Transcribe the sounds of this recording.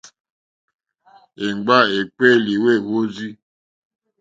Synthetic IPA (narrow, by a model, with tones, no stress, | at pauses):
e˨ŋ͡mɡ͡ba˦e˨k͡pe˦˨li˨we˦˨ɣo˦zi˦